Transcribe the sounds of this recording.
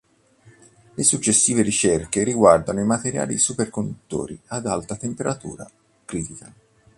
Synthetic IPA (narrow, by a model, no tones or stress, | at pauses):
lesut͡ʃːesːiːveɾit͡ʃerkeɾiɡward̪anoimat̪eɾja̰ːlḭsuperkond̪ut̪ːo̰ːɾiad̪alt̪at̪empeɾat̪ṵːɾa̰ | kɾiːt̪ika